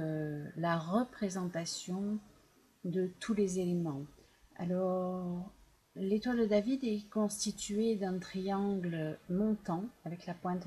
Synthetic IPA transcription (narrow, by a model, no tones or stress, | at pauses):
laʁəpχezɑ̃t̪asjɔ̃ | d̪ət̪ʰulezelemɑ̃ | a̰lɔʁ | let̪wald̪əd̪avid̪ɛkɔ̃st̪it̪ɥed̪ɛ̃t̪χiɑ̃ɡləmɔ̃t̪ɑ̃avɛklapwɛ̃t̪